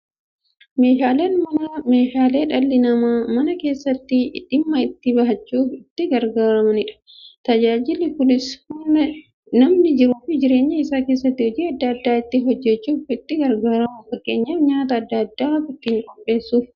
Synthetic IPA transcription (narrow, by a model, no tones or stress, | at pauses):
me̞ːʃaːleːnmɐɐme̞ːʃaːle̞ːᶑɐlːɪnɐmamɐnɐke̞ːsːɐt̪ːɪᶑɪmːɐɪt̪ːɪbɐɦɐt͡ʃːuːfɪt̪ːɪɡɐɾɡaːɾɐmɐnɪᶑɐ̥ | t̪ɐd͡ʒaːd͡ʒɪlːɪpʊlɪshʊɐ | nɐmnɪd͡ʒɪɾuːfɪd͡ʒɪɾe̞ːɲːɐɪsaːke̞ːs̬ːɐt̪ːɪhɔd͡ʒiːɐd̪ːɐːd̪ːaːɪt̪ːɪɦɔd͡ʒːɛt͡ʃːuːfɪt̪ːɪɡɐɾɡaːɾɐmʊfɐkʼːe̞ːɲːɐːfɲaːt̪ɐːd̪ːɐːd̪ːaːfɪt̪ːɪŋkʼɔpʼːe̞ːsːuːf